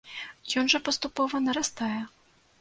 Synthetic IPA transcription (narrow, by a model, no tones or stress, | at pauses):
jɔnʐɐpɐst̪upɔvɐnɐɾast̪ajɛ